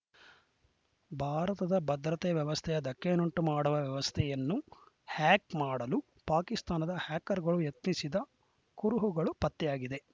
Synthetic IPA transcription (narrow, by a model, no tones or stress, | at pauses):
bʱaːɾɐt̪ɐd̪ɐbɐd̪ɾɐt̪ɛʋjɐʋɐst̪ʰɛjɐd̪ɐkːenuɳʈumaːɽuʋɐʋjɛʋɐst̪ʰɛjɐnːu | haːkmaːɽɐlu | paːkist̪aːnɐd̪ɐhaːkɐɾɡɐɭujɐt̪nisid̪ɐ | kuɾuɦuɡɐɭupɐt̪ːɛjaːɡid̪e̞